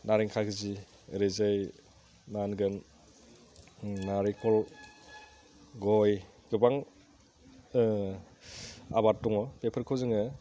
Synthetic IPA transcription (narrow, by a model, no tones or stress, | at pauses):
naɾiŋkʰakɯzi | ɾezɯj | nanɡɯn | naɾikʰɔl | ɡɔj | ɡubaŋ | a̰baɾtɔŋɔpepʰɯɾkʰɯwzɯŋɯ